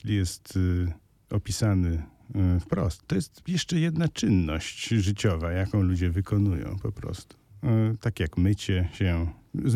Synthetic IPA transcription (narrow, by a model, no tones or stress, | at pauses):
lʲijɛst̪ | ɔpʲisanɘ | fpɾɔst̪ːɔjɛst̪jɛʂt͡ʂɛjɛd̪nat͡ʂɘnːɔɕt͡ɕʐɘt͡ɕɔvajakɔ̃w̃lud͡ʑɛvɘkʰɔnujɔ̰̃w̃pɔpɾɔ̰st̪u̥t̪akjakmɘt͡ɕɛɕɛ